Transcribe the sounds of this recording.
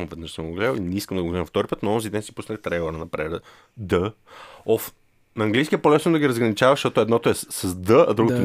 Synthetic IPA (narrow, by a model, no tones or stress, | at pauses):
vɛd̪nəʃsəmoɡlɛlˠinɛiskəmd̪ɐɡoɡlɛmft̪ɔɾipɤt̪noɔnzid̪ɛnsi̥pusnət̪ɾɛɡoɾənɐpɾɛɾ | d̪ə | ɔf | nɐːŋɡlijskʲiɛpolɛsnod̪ɐɡʲiɾɐzɡɾɐnit͡ʃavɐʃt̪ɔt̪oɛd̪nɔt̪oɛsɐzd̪əɐ̰d̪ɾuɡot̪o